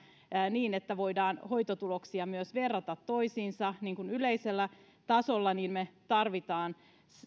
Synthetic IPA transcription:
niːnet̪ːæʋo̞idɑːnho̞jt̪ot̪uloksiɑmyøsʋerːɑt̪ɑt̪ːo̞isiːnsɑniːŋkunyleiselːæ | t̪ɑsolːɑniːnmet̪ɑrʋit̪ɑːn

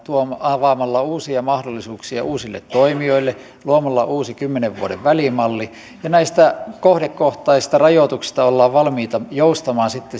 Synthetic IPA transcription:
t̪uomɑʋɑːˑmɑlːɑuːsiɑmɑhdolːisuːksiɑʔuːsilːḛt̪toimioilːe | luomɑlːɑ̰ʔuːsikymːeneʋʋṵoɾeʋʋælimɑlːi | jɑnæist̪ækohdekːoht̪ˑɑiist̪ɑrɑjot̪uksi̥st̪ɑolːɑːʋʋɑlmiːt̪ɑjoust̪ɑmɑːnsit̪ːe

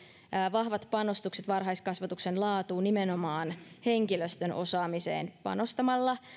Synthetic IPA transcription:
ʋɑhʋɑt̪pɑno̞st̪ukset̪ʋɑrɦɑjskɑsʋɑt̪uksenlɑːt̪uːnimeno̞mɑːnheŋkiløst̪ønʔo̞̰sɑːmisḛːnpɑ̰no̞st̪ɑmɑlːɑ

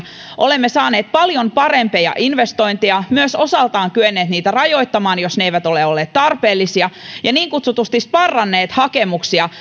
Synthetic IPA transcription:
ʔo̞le̞mːesɑːneːt̪̚pɑljompɑrempejɑ̰ʔinʋest̪o̞jnt̪iɑmyøso̞sɑlt̪ɑːŋkyønːeːt̪niːt̪ærɑjo̞jt̪ːɑmɑːnjosneeiʋæt̪o̞leolːeːt̪t̪ːɑrpe̞ːlːisiɑjɑniːŋkut̪sut̪ust̪ispɑrːɑnːeːt̪hɑke̞muksiɑ

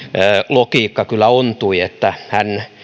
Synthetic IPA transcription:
əːlokiːkːɑkylːˑæont̪uiet̪ːæhæn

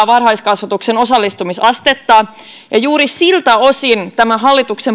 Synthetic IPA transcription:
ʋɑrhɑjskɑsʋɑt̪ukseno̞sɑlːist̪umisɑst̪et̪ːɑː | jɑjuːɾisilt̪æosint̪æmæɦɑlːit̪uksem

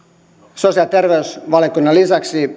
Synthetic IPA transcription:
sosiɑlt̪erʋeysʋɑlekunːɑlisɑksi

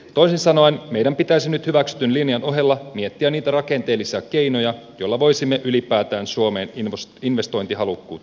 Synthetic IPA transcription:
t̪o̞isinsɑnoinmejdæmpit̪æisinyt̪hyʋæksy̥t̪ynlinjɑno̞ɦe̞lːɑmie̞t̪ːiænniːt̪ærɑke̞nt̪eːlːisiɑke̞jno̞jɑjo̞lːɑʋo̞jsimːeʔylipæːt̪æːnsuo̞me̞ːnsinʋe̞st̪o̞jnt̪iɦɑlukːṵːt̪

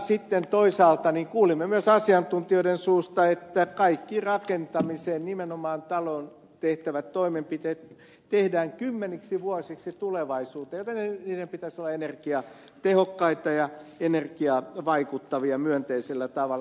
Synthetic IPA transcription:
sit̪ːent̪oisɑːlt̪ɑniŋkuːlimːemyøsɑsiɑnt̪unt̪ioiɾensuːst̪ɑet̪ːækɑikːirɑkent̪ɑmiseːnnimenomɑːnt̪ɑlon | t̪eht̪æʋæt̪toimempit̪eːt̪ | t̪ehdæːŋkymːeniksiʋuɑsiksit̪uleʋɑisuːt̪ejot̪enniːdempit̪æsolːɑenerkiɑ | t̪ehokːɑit̪ɑjɑenerkiɑʋɑikut̪ːɑʋiɑmyønt̪eiselːæt̪ɑʋɑlː

